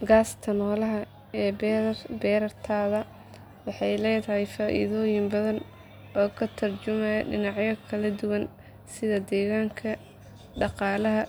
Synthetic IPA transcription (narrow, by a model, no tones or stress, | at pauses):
ɡaːst̪ʰɐnɔːlɐɦɐ | ɛːbɛːɾɐrt̪ʰaːðɐ | wɑħɑjlɛːjt̪ʰɐhɛjfaːʔḭːðɔːjɪmbɐðɐn | ɔːkʰɐt̪ʰɐrt͡ʃʊmɐjɖɪnɑʕjɐkʰɐlɐd̪ʊwɐn | sɪðɐd̪ɛːɣaːŋkʰɐ | ɖɑqɑːlɐɦɐ